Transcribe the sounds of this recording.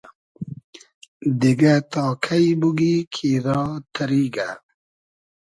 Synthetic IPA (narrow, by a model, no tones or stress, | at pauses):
d̪iɡat̪ɔːkʰaibuɡikʰiɾɔːt̪ʰəɾiːɡa̰